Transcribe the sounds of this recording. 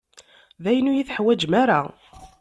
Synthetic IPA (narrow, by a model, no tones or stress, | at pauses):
ðæjənːujiθħwæd͡ʒmaɾa